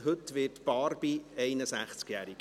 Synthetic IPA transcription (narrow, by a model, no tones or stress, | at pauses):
ɦɵtʋɪːtb̥ɑːɾb̥iɛɪnəsæχt͡skjæːɾiɡ̥